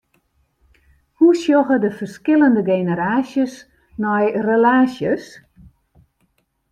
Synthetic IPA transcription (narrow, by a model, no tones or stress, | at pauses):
husjɔɣədəfərskɪləndəɡeːnəɾaːsjəs | nɔjrəlaːsjəs